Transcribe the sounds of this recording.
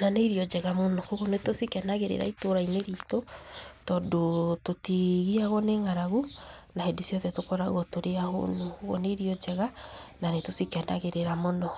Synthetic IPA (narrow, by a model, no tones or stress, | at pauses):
naneiɾiɔd͡ʒɛɣamonɔkoɣonetosikanaɣeɾḛɾa̰itoɾaineɾiːtɔtɔdototiɣiaɣɔneŋaɾaɣunahedesiɔðɛtokɔɾaɣɔtoɾeaho̰nokoɣo̰neɾiɔd͡ʒɛɣananetosikana̰ɣeɾeɾamonɔ